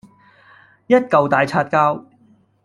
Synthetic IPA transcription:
jɐ˥t̚kɐ˨wt̪aː˨jt͡sʰaː˧t̚kaː˥w

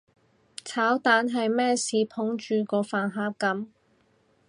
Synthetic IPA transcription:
t͡sʰaː˨˥wt̪aː˨˥nɦɐ˨jmɛː˥siː˨pʰʊ˨˥ŋt͡ʃyː˨˧kɔː˧faː˨nɦaː˨˥p̚kɐ˨˥m

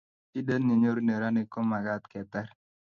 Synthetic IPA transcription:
i˦de˦nni˨ɲo˦ɾne˨ɾa˦ne˦ko˦ma˨ɡa˦t̪kɛ˨t̪ɛ˦ɾ

